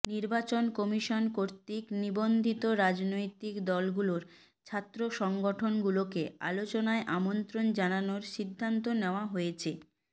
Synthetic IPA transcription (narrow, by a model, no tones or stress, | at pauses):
niɾbat͡ɕonkɔmiʃonkoɾt̪iknibond̪ʱit̪oɾad͡ʑnojt̪ikd̪ɔlɡuloɾ | t͡ɕʰat̪ːɾoʃɔŋɡoʈʰonɡulokea̰lot͡ɕonaeʔamont̪ɾond͡ʑananoɾʃid̪ʱːant̪oneoaɦojet͡ɕʰe